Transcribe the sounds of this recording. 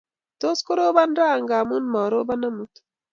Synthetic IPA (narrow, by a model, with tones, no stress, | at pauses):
t̪o˦sko˦ɾo˦ba˦nɾa˦˨ŋɡa˨mu˦nmɔ˨ɾo˦ba˦na˦mu˨t̪